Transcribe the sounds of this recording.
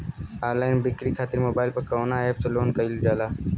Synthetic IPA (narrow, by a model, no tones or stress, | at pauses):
aːlaːɪnbɪkɾiːkʰaːt̪ɪɾmoːbaːɪlpɐɾkəɾoːnaeːpseloːnkəild͡ʒaːlaː